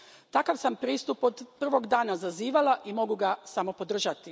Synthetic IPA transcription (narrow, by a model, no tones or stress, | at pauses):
t̪akaʋsampɾiːst̪upod̪pr̩ʋo̞ɡd̪aːnazaziːʋalaʔimo̞ɡuɡasamo̞po̞d̪r̩ʒat̪i